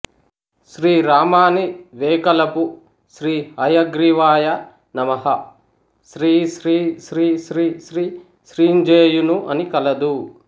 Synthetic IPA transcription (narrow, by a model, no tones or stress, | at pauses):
ʃɾiːɾaːmaːniʋeːkɐlɐpu | ʃɾiːhɐjɐɡɾiʋaːjɐ | nɐmɐɦɐ | ʃɾiːʃɾiːʃɾiːʃɾiːʃɾiː | ʃɾiːɲd͡ʒeːjunuʔɐnikɐlɐd̪u